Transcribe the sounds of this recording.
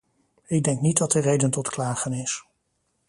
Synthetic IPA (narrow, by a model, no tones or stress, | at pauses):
ɪɡ̚dɛŋknit̚dɑt̚ərejdəntɔtklaːχənɪs